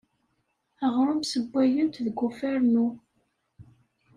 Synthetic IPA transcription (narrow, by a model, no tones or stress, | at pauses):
æʁɾˤʊmsəbʷːæjənt̪ðəɡːufæɾnu